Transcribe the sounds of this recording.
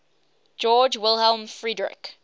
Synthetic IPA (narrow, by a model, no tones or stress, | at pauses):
d͡ʒɔːd͡ʒwɪlˠhɛlˠmfɹidɹɪ̰k